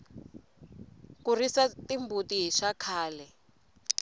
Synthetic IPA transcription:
kurisatimbutiɦiʃakʰaːlɛ

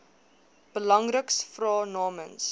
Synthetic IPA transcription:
b̥əlɐŋrəksfrɑːnɑːməns

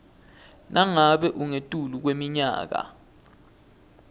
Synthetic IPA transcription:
nʔaŋaɓɛʔuŋetʼuluk̬wemiɲa̰ːk̬a̰

